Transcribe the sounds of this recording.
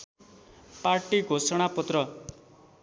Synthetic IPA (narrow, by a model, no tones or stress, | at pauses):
paɾʈiɡʱosɔɽ̃apɔt̪ɾʌ